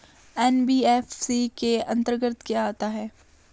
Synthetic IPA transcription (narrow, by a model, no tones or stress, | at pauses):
ɛːnbiːɛfsikeɐ̃nt̪əɾɡəɾt̪kijaaːt̪aɦɛː